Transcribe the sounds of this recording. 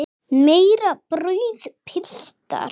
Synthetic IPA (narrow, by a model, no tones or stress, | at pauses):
mejɾaprʊjðpʰɪɬt̪a̰ɾ